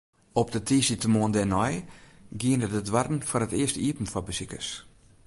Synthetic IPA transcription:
ɔp̚dətʰisitəmoəndɛnɔjɡiənədədʋarn̩fɔrətɪəstəiəpn̩fɔbəsikəs

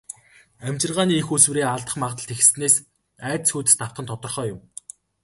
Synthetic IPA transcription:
æmʲt͡ɕɪ̆rʁaːniːexuswɘ̆ɾeːaɮt̪ə̆χmaʁt̪ə̆ɬt̪ʰex̆sneːs | æːt̪sxuːt̪ɘ̆st̪ʰaw̥t̪χə̆nt̪ʰɔt̪ɞ̆rχœːjʊm

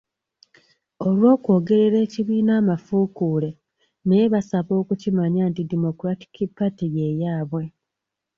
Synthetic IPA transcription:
o̞lwo̞ːkwo̞ːɡe̞ɾe̞ɾe̞ːciβiːnaːmafukuːle̞ | ne̞βasaβo̞ːkucimaɲaːntidemo̞kuɾati̥kipːatije̞jaːβwe̞

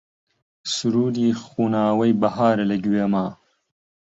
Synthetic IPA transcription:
suɾuːɾixuːnaːwɐjbɐɦaːɾɐlɐɡweːmaː

